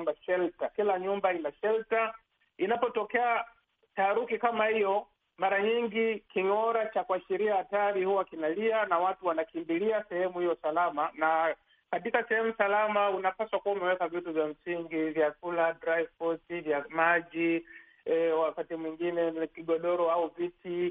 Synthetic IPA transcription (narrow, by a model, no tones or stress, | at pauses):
mbaʃɛltakilaɲumbainaʃɛlta | inapɔtɔkɛa | taːɾukikamahijɔ | maɾaɲiŋɡikiŋɔɾat͡ʃakuaʃiɾiahataɾihuwakinalianawatuwanakimbiliasɛhɛmuhijɔsalamana | katikasɛhɛmusalamaunapaswakuamɛwɛkavituvjam̩siŋɡivjakuladɾajvpɔtivjamaʄi | wakatimwiŋɡinɛkiɠɔɗɔɾɔauviti